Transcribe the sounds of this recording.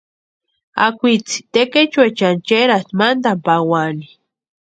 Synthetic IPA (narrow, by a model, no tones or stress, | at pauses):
a̰kʷit͡si̥t̪eket͡ʃwet͡ʃant͡ʃeɾat̪mand̪ampawani